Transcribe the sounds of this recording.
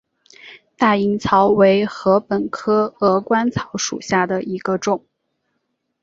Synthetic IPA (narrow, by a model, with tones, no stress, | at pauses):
t̪a˥˩i˧˥ŋt͡sʰɑ˧˥ʊwe˧˥ɪxɤ˧˥pə˨˩nkʰɤ˥ɤ˧˥kwa˥nt͡sʰɑ˧˥ʊʂṵ˨˩ɕja˥˩d̪ə˩i˧˥ɡ̥ə˧ʈ͡ʂʊ˨˩˦ŋ